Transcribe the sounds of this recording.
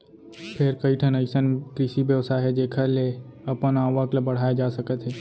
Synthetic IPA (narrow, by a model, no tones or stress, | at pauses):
pʰɪɾkəiʈʰənəɪsənkɾɪʃibjəʋsaɦɛd͡ʒeːkʰəle | ɐpənaːʋəkləbəɽ̤aːjed͡ʒaːsɐkət̪ɦɛː